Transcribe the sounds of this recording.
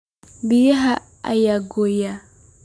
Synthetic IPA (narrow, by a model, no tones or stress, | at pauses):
bijaɦa | a̰jaɡoja